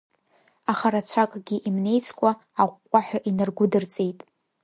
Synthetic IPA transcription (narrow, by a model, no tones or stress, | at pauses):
aχaɾat͡ɕʷʰakʼɡʲiʔimne̞jt͡sʰkʷʼa | aqʷʼqʷʼːaħʷᶣaʔinɨrɡʷʊdɨrt͡sʼe̞jtʼ